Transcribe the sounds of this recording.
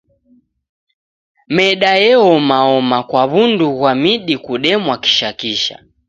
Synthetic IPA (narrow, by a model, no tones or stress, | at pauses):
mɛɗajɛɔmaɔmakwaβunduɣwamiɗikuɗɛmwaki̥ʃakiʃa̰